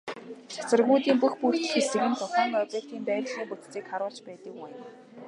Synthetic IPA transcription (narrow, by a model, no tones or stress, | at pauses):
sḁsə̆rɣuːt̪iːmpuxpukt̪ɘ̆xesɘ̆ɣɘ̆nt͡sʊɮɔːŋɔpʲek̚t̪iːnt̪æːtɮ̥iːŋput̪t͡siːkχaɾʊːɮt͡ɕpæːt̪ə̆kwæjn